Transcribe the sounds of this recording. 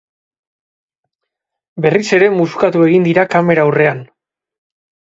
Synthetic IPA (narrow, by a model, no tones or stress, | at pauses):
be̞rise̞ɾe̞muskat̪ue̞ɣind̪iɾakame̞ɾawre̞an